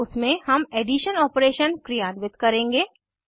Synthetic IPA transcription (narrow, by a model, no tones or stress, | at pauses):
ʊsmẽhɐmeːɖiːʃənɔːpɾeːʃənkɾijaːnʋɪt̪kɐɾẽːŋɡeː